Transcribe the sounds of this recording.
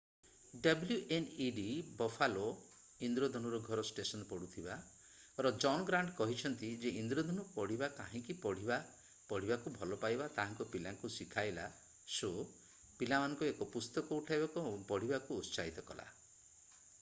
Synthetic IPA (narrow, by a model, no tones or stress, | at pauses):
ɖabljuʔeniɖibɔfʰalo | ind̪ɾod̪ʱɔnuɾɔɡʱɔɾɔsʈesɔnpɔɽut̪ʰiba | ɾɔd͡ʒɔnɡɾaɳɖkɔɦit͡ʃʰɔnt̪id͡ʒeind̪ɾod̪ʱɔnupɔɽ̤ibakaɦĩkipɔɽ̤iba | pɔɽ̤ibakubʱɔlɔpajbat̪aɦaŋkɔpilaŋkusikʰajla̰ | so | pilamanɔŋkuekɔpust̪ɔkɔuʈʰajbakupɔɽ̤ibakuːsaɦit̪ɔkɔ̰la̰